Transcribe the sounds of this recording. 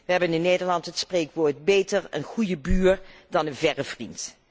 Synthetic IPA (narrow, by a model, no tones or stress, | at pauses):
ʋəɦɛbənɪnːejdəɹlɑntɦətspreːkʋoːɹd̚beːjtəɹə̰nχujəbyːɹdɑnənvɛrəv̥rint